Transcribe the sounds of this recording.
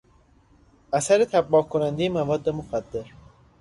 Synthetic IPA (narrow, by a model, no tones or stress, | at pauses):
ʔæsæɾet̪ʰæbːɒːkʰonænd̪ejemævɒːd̪ːemoxæd̪ːeɾ